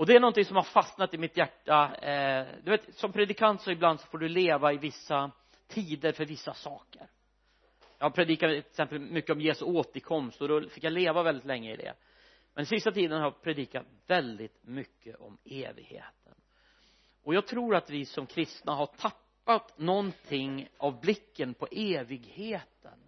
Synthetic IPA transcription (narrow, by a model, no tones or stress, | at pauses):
ɔd̪ɛæɳɔnt̪ɪŋsɔmhaɾfasnat̪ɪmɪt̪jæʈːa | d̪ɵveːt̪sɔmpʰɾɛd̪ɪkʰant̪sɔɪbland̪sɔ̥foːɖɵleːvaɪvɪsːa | t̪ʰiːd̪əɾfœɾvɪsːasɑːkəɾ | jɑːhaɾpʰɾɛd̪iːkatksɛmpəlmʏkːəɔmjeːsɵoːt̪əɾkʰɔmst̪ɔd̪ɔfɪkːjaleːvavɛld̪ɪt̪lɛŋːəɪ̰d̪ɛ̰ | mʔɛnɪsɪst̪at̪ʰiːd̪ənhaɾpʰɾɛd̪iːkat̪vɛld̪ɪt̪mʏkʰːəʔɔmeːvɪ̰ɡhḛːt̪ʰə̰n | ʔɔjɑːɡ̚t̪ʰɾuːɾat̪vɪsɔmkʰɾɪst̪naɦaʈʰapːat̪nɔnt̪ʰɪŋːavblɪkːənpʰɔʔeːvɪɡheːt̪ə̰n